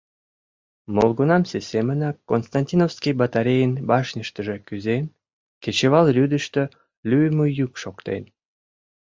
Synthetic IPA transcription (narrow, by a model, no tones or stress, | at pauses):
molˠɣunɑmsesʲemənɑkːonst̪ɑnʲtʲinowskʲijbɑt̪aɾʲejənbɑʃnʲəʃt̪əʒĕkyzen | ket͡ɕeβɑlrʲyd̪əʃt̪ø | lʲyjməjykʃokt̪ḛn